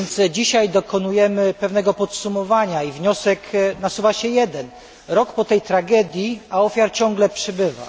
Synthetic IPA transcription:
nt̪sd͡ʑiɕajd̪ɔkɔnujɛmɘpɛvn̪ɛɡɔpɔt̪sumɔvaɲaivɲɔsɛknasuvaɕɛjɛd̪ɛn | ɾɔkpɔt̪ɛjt̪ɾaɡɛd̪ʲjiaɔfʲjaɾt͡ɕɔŋɡlɛpʂɘbɘva̰

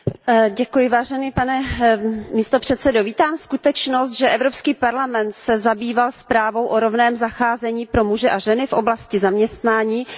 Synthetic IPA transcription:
ɟɛkujɪvaːʒɛniːpanɛ | miːst̪opr̝̥ɛt̪sɛdoviːt̪aːmskut̪ɛt͡ʃnost̪ʒɛʔɛvɾo̞pskiːpaɾlamɛnt̪sɛzabiːvalspɾaːvo̞wʔoɾo̞vnɛːmzaxaːzɛɲiːpɾo̞muʒɛʔaʒɛnɪfʔo̞blascɪzamɲɛst̪naːɲiː

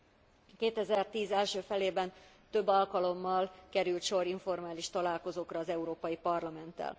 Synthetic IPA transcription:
keːt̪ɛzɛrt̪iːzɛlʃøːfɛleːbɛn | t̪øbːɒlkɒlo̞mːɒlkɛɾylt̪ʃo̞ɾiɱfo̞rmaːliʃt̪ɒlaːlko̞zoːkrɒːzɛuɾoːpɒjipɒrlɒmɛnt̪ːɛ̰l

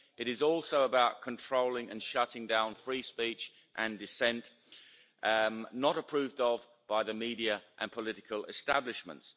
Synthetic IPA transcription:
ɪɾɪzɔˑlˠsəʊəbaʊʔ̚kʰə̃ntʰɹ̥oʊlɪ̃ŋə̃nʃʌɾɪ̃ŋdãʊ̃nfɹiːspiˑt͡ʃ | ʔə̃ndɪsɛ̃nʔ | nəɾəpʰɹ̥ʉːvdəv | b̥aɪðəmiːɾiəʔə̰̃npʰəlɪɾɪkʰəlˠɪstablɪʃmə̰̃nts

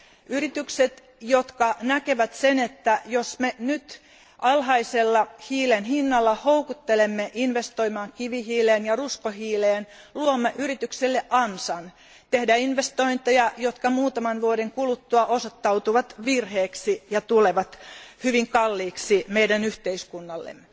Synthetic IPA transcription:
yrit̪ykset̪ | jot̪kɑnækeʋæt̪senet̪ːæjosmenyt̪ | ʔɑlhɑiselːɑhiːlenhinːɑlːɑhoukut̪ːelemːeʔinʋest̪oimɑːŋkiʋihiːleːnjɑruskohiːleːn | luomːeʔyrit̪ykselːeʔʔɑnsɑn | t̪ehdæinʋest̪oint̪ejɑjot̪kɑmuːt̪ɑmɑnʋuoɾeŋkulut̪ːuɑʔosot̪ːɑut̪uʋɑt̪ʋirheːksijɑt̪uleʋɑt̪hyʋiŋkɑlːiːksimeidænyht̪eiskunːɑlːḛmːe

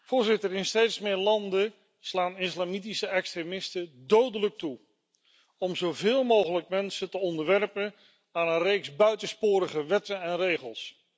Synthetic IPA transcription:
v̥ʊːɹzɪtəɾɪnstejtsmɪːɹlɑndə | slaːnɪslaːmitisəɛkstremɪstədowdələk̚tu | ɔmzowvɪːlˠmowχələk̚mɛnsətəɔndəɹʋɛrpən | aːnənrejksbœɥtəspʊːɾəχəʋɛtənɛnrejχəlˠs

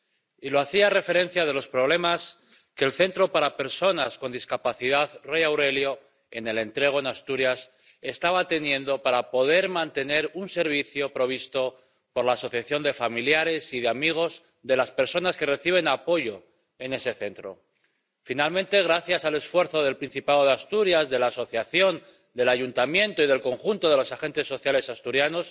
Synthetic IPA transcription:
ilo̞aθiare̞fe̞ɾe̞n̟θjaðe̞lo̞spɾo̞β̞le̞mas | ke̞ːlθe̞nt̪ɾo̞paɾape̞ɾso̞nasko̞nd̪iskapaθiðaðre̞jawɾe̞ljo̞ | e̞̰ne̞le̞nt̪ɾe̞ɣ̞o̞e̞nast̪uɾjas | e̞st̪aβat̪e̞njẽ̞nd̪o̞paɾapo̞ðe̞ɾmãnt̪e̞ne̞ɾunse̞ɾβ̞iθjo̞pɾo̞β̞ist̪o̞ | po̞ɾlaːso̞θjaθjo̞nd̪e̞familjaɾe̞siðeamiɣ̞o̞z | ðe̞laspe̞ɾso̞naske̞re̞θiβ̞e̞napo̞ʝo̞ | e̞ne̞se̞θe̞nt̪ɾo̞̰ | finalmẽ̞nt̪e̞ɣ̞ɾaθjasale̞sfwe̞ɾθo̞ð̞e̞lpɾin̟θipaoð̞east̪uɾjazðe̞laːso̞θjaθjo̞n | d̪e̞laʝunt̪amjẽ̞nt̪o̞ið̞e̞lko̞ŋxunt̪o̞ðe̞lo̞saxe̞nt̪e̞sːo̞θjale̞sast̪uɾjano̞s

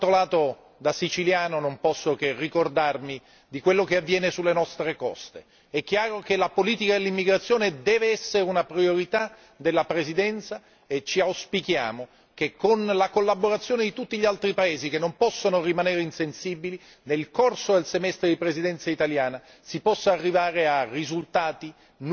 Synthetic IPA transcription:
t̪ɾolaːt̪o | d̪asit͡ʃiljaːnonompɔsːokerːikord̪armi | d̪ikwelːokeavːjɛːnesulːenɔst̪ɾekɔ̰st̪e | ɛkːjaːɾokelapoliːt̪ikad̪elːimːiɡɾat̪sːjoːned̪ɛːveɛsːeɾeunapɾioɾit̪a | d̪elːapɾezid̪ɛnt̪sa | et͡ʃːiawspikja̰ːmo | kekːonlakolːaboɾat̪sːjoːned̪it̪ut̪ːiʎialt̪ɾipaeːzikenːompɔsːonorimaneːɾeinsensiːbili | nelkorsod̪elsemɛst̪ɾed̪ipɾezid̪ɛnt̪sait̪aljaːna | sipɔsːaːrːivaːɾearːizult̪aːt̪i | n

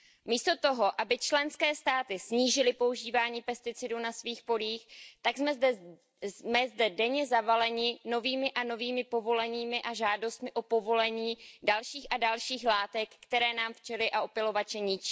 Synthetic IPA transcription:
miːst̪o̞t̪o̞ɦo̞ʔabɪt͡ʃlɛnskɛːst̪aːt̪ɪsɲiːʒɪlɪpo̞uʒiːvaːɲiːpɛst̪ɪt͡sɪdunasviːxpo̞liːxt̪aɡzɛ | mɛzdɛdɛɲɛzavalɛɲɪno̞viːmɪʔano̞viːmɪpo̞vo̞lɛɲiːmɪʔaʒaːdo̞st̪mɪʔo̞po̞vo̞lɛɲiːdalʃiːxʔadalʃiːxlaːt̪ɛkːt̪ɛɾɛːnaːmft͡ʃɛlɪʔaʔopɪlo̞vat͡ʃɛɲɪt͡ʃiː

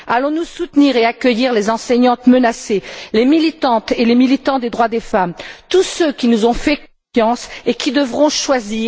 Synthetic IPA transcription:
alɔ̃nusut̪niʁeakʲœjiʁlezɑ̃sɛɲɑ̃t̪mənaselemilit̪ɑ̃t̪elemilit̪ɑ̃d̪ed̪ʁwad̪efamt̪usøkʲinuzɔ̃fɛk | jɑ̃sekʲʰid̪əvʁɔ̃ʃwazi

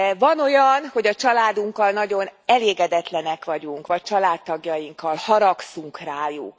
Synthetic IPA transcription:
vɒno̞jɒnho̞ɟɒt͡ʃɒlaːd̪uŋkːɒlnɒɟo̞nɛleːɡɛd̪ɛt̪lɛnɛkʋɒɟuŋkʋɒc̚t͡ʃɒlaːt̪ːɒɡjɒjiŋkːɒlhɒɾɒksuŋkraːju

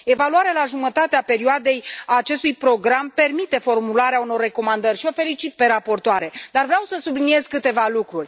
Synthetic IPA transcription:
e̞valuaɾealaʒumət̪at̪eape̞ɾioad̪e̞jaːt͡ʃe̞st̪ujpɾo̞ɡɾampe̞rmit̪e̞fo̞rmulaɾeauno̞rːe̞ko̞mand̪ərʲʃio̞fe̞lit͡ʃit̪̚pe̞ɾapo̞rt̪oaɾe̞d̪arvɾeawsəsublinie̞zkɨt̪e̞valukɾurʲ

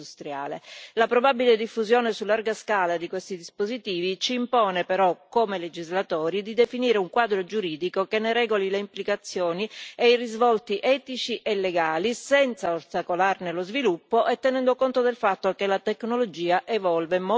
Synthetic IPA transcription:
ust̪ɾja̰ːlelapɾobabiled̪ifːuzjɔːnesulːarɡaskaːlad̪ikwest̪id̪ispozit̪iːvit͡ʃiːmpɔːnepeɾɔkːomeled͡ʒizlat̪ɔːɾid̪id̪efiniːɾeuŋkwaːd̪ɾod͡ʒuɾiːd̪ikokenːeɾɛːɡolileimplikat̪sːjɔːnieirizvɔlt̪iʔɛːt̪it͡ʃiʔelːeɡaːlisɛnt̪saost̪akolarnelozvilupːoʔɛt̪ːɛnɛnd̪okont̪od̪elfat̪ːokelat̪eknolod͡ʒiːaʔevɔlvemo

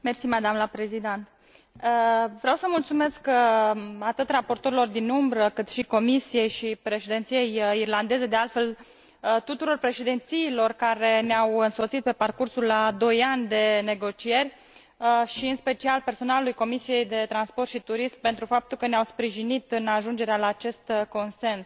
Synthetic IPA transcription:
mersimad̪amlapɾezid̪ent̪ | əvɾeawsəmult̪sume̞sk | at̪ɨt̪rapo̞rt̪o̞ɾilo̞rd̪inumbɾəkɨt̪ʃiko̞misije̞jʃipɾe̞ʃed̪ent̪sije̞jirland̪e̞ze̞d̪e̞alt̪fe̞l | ət̪ut̪uɾo̞rpɾe̞ʃed̪ent̪siːlo̞rkaɾe̞neawɨnso̞t̪sit̪̚pe̞parkursulːad̪o̞janʲd̪e̞ne̞ɡo̞t͡ʃije̞rʲ | ʃiɨnspe̞t͡ʃialpe̞rso̞nalulujko̞misije̞jd̪e̞t̪ɾanspo̞rt̪ʃit̪uɾismpe̞nt̪ɾufap̚t̪ulkəneawspɾiʒinit̪ɨnaʒund͡ʒe̞ɾealaːt͡ʃe̞st̪ko̞nse̞ns

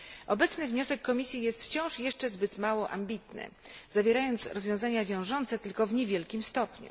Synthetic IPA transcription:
ʔɔbɛt̪snɘvɲɔsɛkːɔmʲisʲjijɛst̪ft͡ɕɔ̃w̃ʂjɛʂt͡ʂɛzbɘt̪mawɔʔa̰mʲbʲit̪nɘ̰zavʲjeɾajɔnt̪sɾɔzvʲjɔ̃w̃zaɲavʲjɔ̃w̃ʐɔnt̪sɛt̪ɘlkɔvɲevʲjɛlkʲimst̪ɔpɲṵ

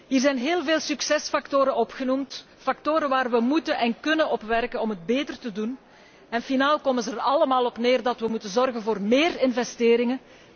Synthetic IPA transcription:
ɦiːrzɛjnɦeːlˠveːlˠsyksɛsfɑktoːɾəɔpxənumt | fɑk̚toːɾəʋaːrʋəmutənʔɛnkɵnənɔpʋɛrkənɔmɦəd̚beːtərtədun | ɛnfinaːlˠkomənzərɑləmaːlˠɔpneːrdɑtʋəmutənzɔrɣənvoːrmeːrɪnvɛsteːɾɪŋən

